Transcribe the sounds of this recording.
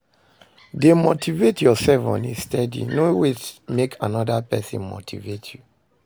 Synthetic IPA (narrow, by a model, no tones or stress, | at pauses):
demotʰivetjɔsɛlfɔ̰̃nĩstɛdḭnowetmekʰanɔdapɛsḭ̃nmo̰tʰḭvetʰju